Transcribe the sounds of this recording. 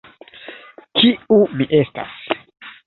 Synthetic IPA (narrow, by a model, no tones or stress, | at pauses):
kiumiʔe̞sta̰s